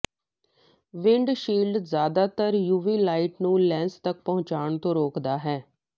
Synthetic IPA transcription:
ʋɪ̃ɳɖʃiːlɖzjaːd̪aːt̪əɾjuːʋiːlaːiʈnũːlɛ̃ːnst̪ək̚pəʊ̃t͡ʃaːɳt̪õːɾoːkd̪aːɦɛː

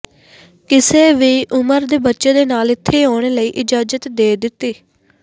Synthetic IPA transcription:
kɪseːʋiːʔʊməɾd̪eːbətːʃeːd̪eːnaːlɪt̪ʰːeːɦoːɽ̃eːləiːʔɪd͡ʒaːd͡ʒət̪d̪eːd̪ɪt̪ːiː

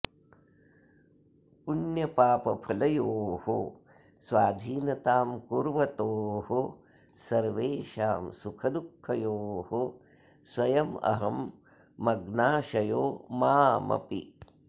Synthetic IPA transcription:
punjɐpaːpɐpʰɐlɐjoːho | sʋaːd̪ʱiːnɐt̪aːmkuɾʋɐt̪oːɦo | sɐɾʋeːʃaːmsukʰɐd̪ukʰːɐjoːɦo | swɐjɐmɐ̰ɦɐmː | ɐɡnaːʃɐjoːmaːmʔɐ̰pḭ

